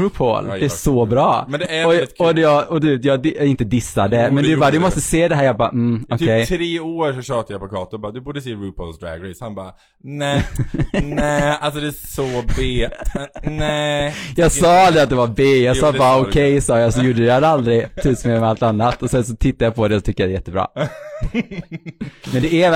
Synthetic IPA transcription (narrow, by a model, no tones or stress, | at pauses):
ʉpʰo̰lɛæʂɔbɾɑːmɛnd̪ɛæɔɔd̪ɛjɑɔt̪yːpjɑːɡd̪ɪnt̪əd̪ɪsːad̪əmɛnd̪ɛbɑːɾad̪ɵmɔst̪əseːd̪ɛɦæːɾjɑːɡbɑ̰ːm̩ɔk̪ʰkːʰɛjtʰɾeːoːɾʂɔɕøːt̪ajapɔkʰɑːt̪ʊbɑːd̪ɵbuːɖəseːɾuːpʰo̰lsd̪ɾa̰ɡɾɛshanbɑ̰ː | nɛ | nɛals̬ɔd̪ɛsɔbeː | nɛjɑːɡsɑːald̪ɾɪat̪̚d̪ɛvaɾbeːjɑɡɑːbɑːɾaɔkʰɛjsɑːjɑsɔjuːɖəjad̪ald̪ɾɪt̪ʰʉːsmeːmɛalt̪anːat̪ːɔsɛnsɔt̪ʰɪt̪ːajɑpʰɔd̪ɛsɔt̪ʰʏk̚ːəjad̪ɛjɛt̪ːəbɾɑ̰ː | mɛnd̪ɛɛ